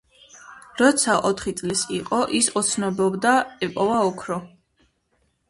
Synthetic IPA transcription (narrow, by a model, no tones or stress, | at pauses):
ɾɔt̪sʰaʔɔt̪ʰχit̪sʼlisiqʼɔʔisɔt̪sʰnɔbɔbd̪aɛpʼɔvaɔkʰɾɔ